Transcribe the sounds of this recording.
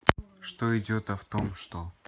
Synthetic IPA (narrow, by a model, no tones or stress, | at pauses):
ʂt̪oɪdʲot̪ɐft̪omʂt̪o